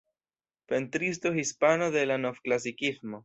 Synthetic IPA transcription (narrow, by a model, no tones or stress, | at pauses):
pent̪ɾis̬t̪oxispano̞ðe̞lano̞fklas̬ikizmo̞